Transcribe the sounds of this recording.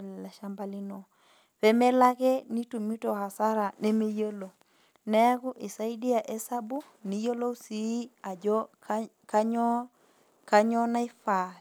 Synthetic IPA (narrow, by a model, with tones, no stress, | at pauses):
lla˨ʃa˦mba˦li˦no˨ | pe˦me˦la˦ke˦ni˦tu˨mi˦to˨ha˨sa˦ɾa˨ne˦me˦jo˦lo˨ | ne˦a˦ku˦ʔi˨sa˦i˦di˦a˨ʔe˦sa˦bu˦ | ni˦jo˦lo˦si˨˦a˨d͡ʒo | ka˦ɲɔ | ka˦ɲɔ˦na˦i˦fa˨